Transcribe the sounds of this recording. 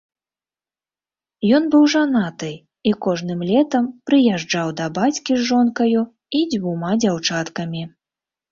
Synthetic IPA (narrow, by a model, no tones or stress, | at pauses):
jɔnbɨwʐanat̪ɨ | ikɔʐnɨmlʲɛt̪ɐmpɾɨjaʐd͡ʐawd̪ɐbat͡sʲkʲizʐɔnkɐju | id͡zʲvumad͡zʲawt͡ʂat̪kɐmʲi